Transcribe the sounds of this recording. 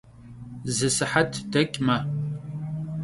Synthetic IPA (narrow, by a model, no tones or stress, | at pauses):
zɨsɨħatʰd̥ɐkʲʼmɐ